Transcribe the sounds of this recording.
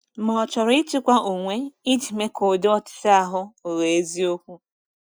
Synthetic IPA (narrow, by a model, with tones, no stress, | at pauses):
mɔ˨ɔ˨t͡ʃɔ˨ɾɪ˦t͡ʃɪ˦kʷa˦ʔo˨ŋʷe˦ɪ˦d͡ʒi˨me˦ko˨dɔ˦˨tɪ̥˨ta˦a˨ɦʊ˦o˨ɣe˨e˦zi˦o˦kʷu˦